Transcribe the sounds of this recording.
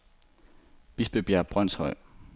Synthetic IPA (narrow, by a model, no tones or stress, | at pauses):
b̥isb̥eb̥jæɐb̥ʁœn̰shɒ̽ɪ̰